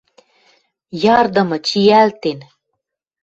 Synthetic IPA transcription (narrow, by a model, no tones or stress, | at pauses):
jɑrd̪ɤ̆mɤ̆t͡ɕiælt̪en